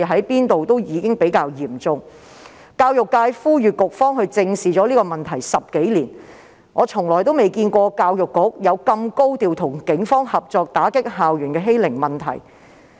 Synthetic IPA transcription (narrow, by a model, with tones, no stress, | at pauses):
ɦɐ˨˥jpiː˥nt̪o˨wt̪o˥wjiː˨˧kɪ˥ŋpe˨˥jkaː˧wjiː˨˩mt͡sʊ˨˧ŋ | kaː˧wjʊ˨kːaː˧jfuː˥jyː˨kʊ˨k̚fɔː˥ŋhɵ˧ɥt͡sɪ˧ŋsiː˨t͡sɔː˨˥liː˥kɔː˧mɐ˨nt̪ʰɐ˨˩jsɐ˨p̚ke˨˥jliː˨˩n | ŋɔː˨˧t͡ʃʰʊ˨˩ŋlɔː˨˩jt̪o˥wme˨˩jkiː˧nkʷɔː˧kaː˧wjʊ˨˩kːʊ˨˥k̚jɐ˨˧wkɐ˧mko˥wt̪iː˨wt̪ʰʊ˨˩ŋkɪ˨˥ŋfɔː˥ŋhɐ˨p̚t͡sɔː˨˧k̚t̪aː˨˥kɪ˥k̚ɦaː˨wjyː˨˩nkɛː˧ɦe˥jlɪ˨˩ŋmɐ˨˩nt̪ʰɐ̰˨˩j